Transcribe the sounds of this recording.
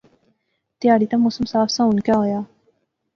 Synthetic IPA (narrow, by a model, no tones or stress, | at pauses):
t̪jaːɽit̪ɐmosɐmsaːfsãunkaɦoːjaː